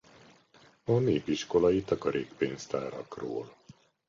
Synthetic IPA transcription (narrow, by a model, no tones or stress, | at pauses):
ɒneːpiʃko̞lɒjit̪ɒkɒɾʔeːkpeːnst̪aːɾɒ̰kro̰ːl